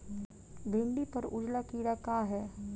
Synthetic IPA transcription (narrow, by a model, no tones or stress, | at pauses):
bʱɪɳɖipɐɾʊ̰d͡ʒlakiːɽakaːɦɛː